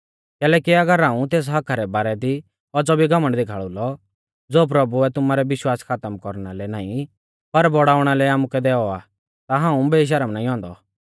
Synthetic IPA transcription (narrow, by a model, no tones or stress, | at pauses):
kɛːlɛːkiɐɡəɾɦãːũt̪eːs̬ɦɐkʰaɾɛbaːɾɛd̪i | pɔt͡sɔbʱiɡɐməɳɖd̪ekʰaːɭulɔ | d͡zoːp̬ɾɐbuɛt̪ʊmaɾɛʋɪʃwaːskʰaːt̪əmkɔɾɽ̃alɛnaːĩ | pɐɾbɔɽaːʊɽ̃alɛaːmukɛd̪ɛːɔa | t̪aɦãːũbeːiʃ̬ɐɾəmnaːĩɦɔ̃ːnd̪ɔ